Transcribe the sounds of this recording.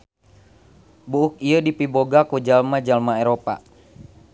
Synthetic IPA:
buʔuk̚iədipiboɡakud͡ʒalmad͡ʒalmaeɾopa̰

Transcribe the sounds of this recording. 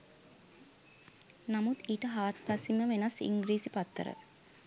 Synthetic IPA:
namut̪iːʈəɦaːt̪̚pasiməʋenasḭŋɡɾiːsipat̪ːə̰ɾə̰

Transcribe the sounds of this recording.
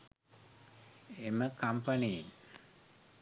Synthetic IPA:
eməkʰampani

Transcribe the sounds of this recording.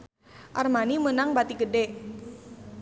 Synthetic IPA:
ʔarmanimənaŋbat̪iɡədɛ

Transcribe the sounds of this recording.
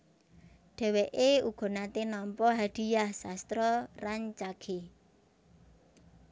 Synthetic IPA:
ɖ̥ɛ̤weʔeuɡ̥ɔ̤nat̪enɔmpɔɦaɖ̥i̤jahsast̪ɾɔraɲt͡ʃaɡ̥e

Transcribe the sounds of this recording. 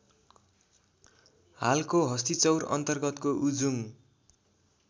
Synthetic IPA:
halkoɦʌst̪it͡sʌwrʌ̰nt̪ʌrɡʌt̪koʔud͡zum

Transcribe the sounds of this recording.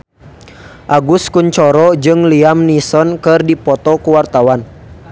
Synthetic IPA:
ʔaɡuskunt͡ʃɔɾɔd͡ʒɨŋliamnisɔnkɨrdipɔt̪ɔkuwart̪awan

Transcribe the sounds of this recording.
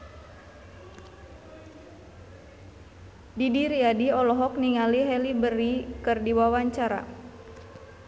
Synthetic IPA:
didiɾiadiɔlɔɦɔkniŋaliɦɛlibərikɨrdiwawaɲt͡ʃaɾa̰

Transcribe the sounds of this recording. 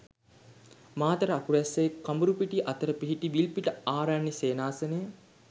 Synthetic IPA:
maːt̪əɾəakuʋæsːeekambuɾupiʈiʔɐt̪əɾəpiɦiʈiʋilpiʈəaːɾaɳːiseːnaːsənəjə

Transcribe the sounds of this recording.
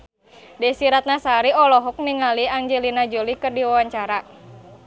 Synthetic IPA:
dɛsiɾat̪̚nasaɾiɔlɔɦɔk̚niŋaliaŋd͡ʒelinad͡ʒolikərdiwawaɲt͡ʃaɾa

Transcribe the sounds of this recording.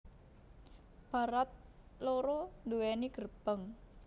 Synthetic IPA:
b̥a̤ɾat̪̚ | loɾɔnduwɛniɡ̥ərb̥əŋ

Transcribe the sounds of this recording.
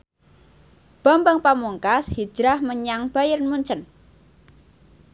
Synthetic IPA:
b̥ambəŋpamuŋkashi̥d͡ʒ̥ɾahməɲaŋb̥a̤jərnmuɲt͡ʃən

